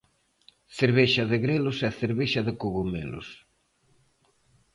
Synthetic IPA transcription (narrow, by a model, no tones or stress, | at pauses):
θeɾβeʃɐðɪɣɾelʊsɛθeɾβeʃɐðɪkuɣumḛlo̰s